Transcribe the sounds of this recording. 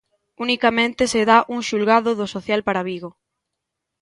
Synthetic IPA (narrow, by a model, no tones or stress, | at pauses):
unikamẽnt̪eseðaʔuŋʃulɣaðʊðʊsoθjalpaɾaβiɣo